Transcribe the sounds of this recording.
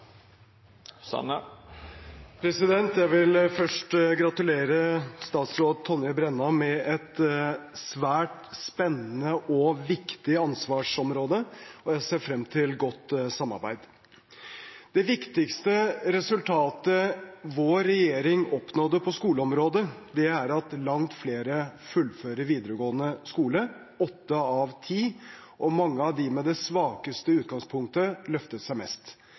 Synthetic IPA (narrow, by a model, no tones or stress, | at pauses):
sn | pʰɾɛsɪd̪ɛnt̪jæɪʋɪlfœʂʈɡɾɑt̪ʉleːɾəst̪ɑːt̪sɾoːd̪̚t̪ʰɔnːɪbɾɛnːɑmɛɛt̪sʋæːʈspɛnːənəʔɔʋɪkt̪ɪɑnsʋɑːʂɔmɾoːd̪əɔjæɪseːfɾɛmt̪ʰɪlɡɔt̪ːsɑmɑ̰ɾbæ̰ɪd̪ | d̪̥ɛʋɪkt̪ɪkst̪əɾɛsʉlt̪ʰɑːt̪əʋoːɾɛjeːɾɪŋɔpnɔd̪əpʰɔskuːləɔmɾoːd̪əd̪ɛæɾɑt̪lɑŋt̪fleːɾəfʉlføːɾəɾʋiːd̪əɾəɡoːənəskuːlə | ɔt̪ːəɑʋt̪ʰiː | ʔɔmɑŋːəɑʋd̪ɪmɛd̪ɛsʋɑːkəst̪əʉːt̪̚ɡɑŋspʰʊŋk̚t̪əlœft̪ət̪sæɪmɛst̪